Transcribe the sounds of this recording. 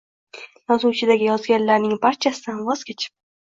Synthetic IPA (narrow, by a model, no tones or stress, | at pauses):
jɒzuwt͡ʃʰɪd̪aɡʲɪjɒzɡʲanlaɾnɪŋbaɾt͡ʃʰasɪd̪anvɒz̥kʲʰet͡ʃʰɪ̥p̚